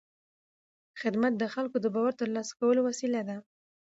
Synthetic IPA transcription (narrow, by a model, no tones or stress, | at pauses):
xɪd̪mat̪̚d̪əxalkod̪əbɑwaɾt̪əɾlɑsḁkawəlowasilad̪a